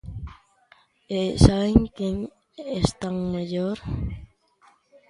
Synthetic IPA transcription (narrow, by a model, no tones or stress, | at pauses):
esaeŋkeŋ | est̪aŋmaʎoɾ